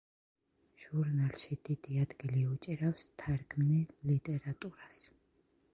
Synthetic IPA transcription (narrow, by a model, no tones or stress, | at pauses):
ʒ̥uɾnalˠʃid̪id̪iad̪ɡiliut͡ʃʼiɾafst̪ʰaɾɡʰmnilit̪ʼɛɾat̪ʼuɾas